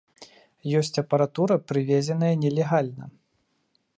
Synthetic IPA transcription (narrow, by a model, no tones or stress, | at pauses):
jɔsʲt͡sʲɐpɐɾat̪uɾɐpɾɨvʲɛzʲɛnɐjɐnʲɛlʲɛɣalʲnɐ̰